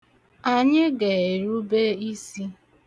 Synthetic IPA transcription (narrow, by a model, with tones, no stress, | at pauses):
a˨ɲɪ˦ɡe˨e˨ɾu˦be˦i˦si˦